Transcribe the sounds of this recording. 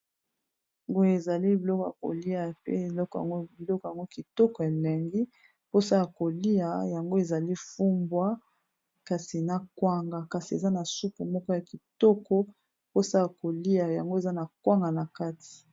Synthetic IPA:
ŋɡo˦je˨za˨li˦bi˨lɔ˦kɔ˨ja̰˨ko̰˨li˦a˨pḛ˦e˨lɔ˦kɔ˨ja̰˨ŋɡo˦bi˨lɔ˦kɔ˨ja˨ŋɡo˦ki˨tɔ˦kɔ˨e˨le˨ŋɡi˦ | po˦sa˦la˨ko˨li˦a˨ja˨ŋɡo˦e˨za˨li˦fu˦mbwa˦ | ka˨si˨na˨kwa˦ŋɡa˨ka˨si˨ḛ˨za˦na˨su˦pu˨mɔ˦kɔ˦ja˨ki˨tɔ˦kɔ˦ | po˦sa˦la˨ko˨li˦a˨ja˨ŋɡo˦e˨za˦na˨kwa˦ŋɡa˨na˨ka˦tʰi̥˨

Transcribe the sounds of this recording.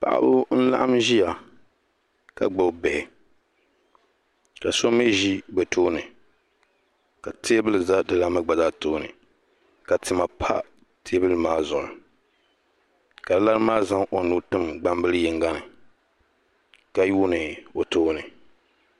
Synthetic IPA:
pa̰˨ʔa̰˦bʊ˦n̩˦la̰˦ʔa˦mʒi˦ja˨ | ka̰˨ɡ͡bo˨˦bɛ˨hɪ˨ | ka˨so˦mi˦ʒi˦ɡ͡bɛ˨toː˦nɨ˨ | ka˨tʰe˦bɨ˦lɨ˨za˦dɨ˨la˦mɨ˦ɡ͡ba˨zaː˦toː˦nɨ̰˨ | ka˨tɨ˨ma˨pʰa̰˦ | tʰe˦bɨ˦lɨ˨maː˦zʊ˨nɨ˨ | ka˨dɨ˦la˦ɾmaː˦za˦ŋʔo˨nu˦tɨ˦mɡ͡ba˦m˦bɨ˦lɨ˦jɛ˨ŋɡa˦nɨ˨ | ka˦ju˦nɨ˨o˨toː˦nɨ˨

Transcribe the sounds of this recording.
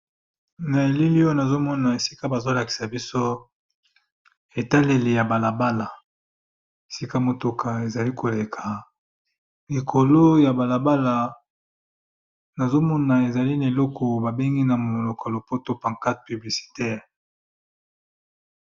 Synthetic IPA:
na˨e˨li˦li˦o˦na˨zo˦mɔ˦na˨e˨si̥˦ka˦ba˨zo˦la˨ki̥˨sa˨bi˦so˦ | e˨ta˦le˨le˨ja˨ba˨la˨ba˦la˨ | e˨si˦ka˦mo˨to˨kʰa˨e˨za˨li˦ko˨le˨kʰa˨ | li˨kʰo˨lo˦ja˨ba˨la˨ba˦la˨ | na˨zo˦mɔ˦na˨e˨za˨li˦na˨e˨lɔ˦kʰɔ˨ba˨be˦ŋɡi˦na˨mo˨lo˨ka˨lo˨po˦to˦pã˨ŋka˦t̚py˨bli˨si̥˨tɛ˦˨ʁ

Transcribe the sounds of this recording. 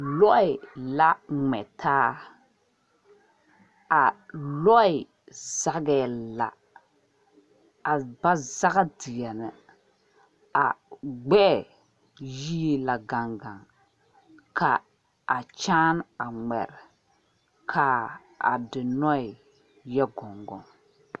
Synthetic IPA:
lɔ˦ɪ˨la˦ŋ͡mɛ̰˨tʰaː˦ | a˨lɔ˦ɪ˨ | z̥a˦ɡɛ˨la̰˨ | a˨ba˦za˦ɣa˦dɪ˨jɛ˨nɪ˨ | a˨ɡ͡bɛ˦ʔɛ˨ | ji˦e˦la˨ɡa˨ŋɡã˨ŋ | kʰa˨ | a˨t͡ʃaː˦na˨ŋɛ̰˨ɾ | kʰa˨˦ | a̰˨dɪ˨nɔ˦ɪ˨ | jɛ˦ɡɔ˨ŋɡɔ̰˨ŋ

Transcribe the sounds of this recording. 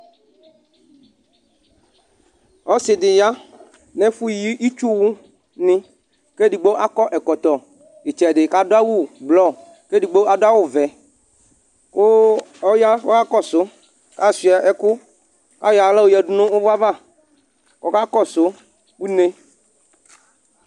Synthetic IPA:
ɔ˨˦sɪ˨dɪ˨ja˦ | nɛ˦fu˦˨ji˦ʔi˦t͡ʃu˦wu˦ | nɪ̃˦ | ke˦di˨ɡ͡bo˦ʔa˦kɔ˦ʔɛ˨kɔ˨t̪ɔ˨ | i˨t͡ʃɛ˨dɪ˨ka˦do˦a˦wu˦˨blɔ˦˨ | ke˦di˨ɡ͡bo˦a˦dʊ˦a˦wʊ˦˨vɛ˨ | ko˦ɔ˦ja˦wɔ˦ka˦kɔ˦˨sʊ˨˦ | ka˦˨si˨ɛ˨ʔɛ˨kʊ˦ | ka˦ja˨lɛ˦wo˦jɛ˨du˦nʊ̃˦o˦va˦va˦˨ | kɔ˦ka˦kɔ˦˨sʊ˨˦ | ku˦ne˦

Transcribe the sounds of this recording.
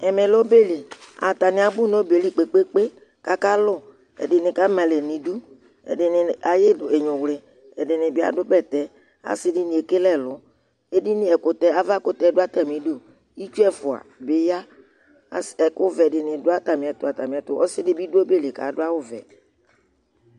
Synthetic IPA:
ɛ˨me˨lɔ˦be˦li˨a̰˨t̪a˨nɪ̃˨a˨bʊ˦nɔ̃˦be˨li˦˨k͡pe˨k͡pe˦k͡pe˦ | ka˦ka˦lʊ˦ | ɛ̰˨dɪ˨nɪ̃˨ka˦mã˨le˨nĩ˨du˦ | ɛ̰˨dɪ˨nɪ˨a˨je˦˨e˨ɲʊ̃˨wlɪ˨ | ɛ˨dɪ˨nɪ̃˨bɪ˦a̰˨dʊ˦bɛ˦˨t̪ɛ˦ | a̰˨sɪ˦dɪ˦nĩ˨e˨ke˦lɛ˦˨lʊ˨˦ | e˦di˦nɪ˦ɛ˨kʊ˨t̪ɛ˦a˦va˦kʊ˦t̪ɛ˦dʊ˦a˦t̪a˨mĩ˨do˦ | i˦t͡ʃu˦ɛ˦fʊ˨a̰˨bɪ˨˦ja˦˨ | ɛ˨kʊ˦vɛ˨dɪ˨nɪ̃˨dʊ˦a˦t̪a˨mɪ̃˨a˨t̪ʊ˦˨a˨t̪a˨mĩ˨a˨t̪ʊ˨˦ʔɔ̰˦sɪ˦dɪ˦bi˦dʊ˦o˦be˦le˨ka̰˨dʊ˦a˦wʊ˦vɛ̰˨

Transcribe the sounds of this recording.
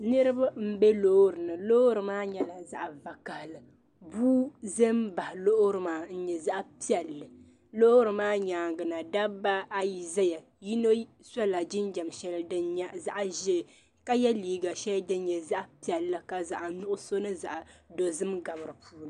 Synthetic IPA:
nɨ˦ɾɨ˦ba˦m̩˦bɛ˦loː˦ɾɨ˨nɨ˨loː˦ɾɨ˨maː˦ɲɛ˦la˨za˦ʔva˨ka˨hlɨ˨ | buː˦ze˦m˦ba˨hlo˦ʔɾɨ˨maː˦n̩˦ɲɛ˨za˦ʔpi˦ɛ˨lːɨ˨ | lo˦o˦ɾɨ˨maː˦ɲaː˨ŋɡɨ˨na˨da˦ba˦a˦ji˨zɛ˦ja˨ | ji˦no˦ | sa˦la˨d͡ʒɪ˦nd͡ʒa˨mʃɛ˦lɨ˦dɨ˦ɲ˦za˦ʔʒɛ˦˨ | ka˦jɛ˦liː˨ɡa˨ʃɛ˦ldɨ˦n˦ɲɛ˨za˦ʔpi˦ɛ˨lːɨ˨ka˨za˨ʔnʊ˦ʔʊ˦so˦nɨ˦za̰˨ʔdo˨zɨ˦mɡa˨mɨ˨ɾɨ˨pʰuː˦nɨ˨

